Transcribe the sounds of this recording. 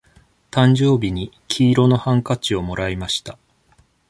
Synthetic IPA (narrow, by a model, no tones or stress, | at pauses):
t̪ãɲ̟d͡ʑo̞ːbʲiɲ̟i | kʲʰiːɾo̞no̞hãŋkat͡ɕio̞mo̞ɾaimaɕi̥t̪a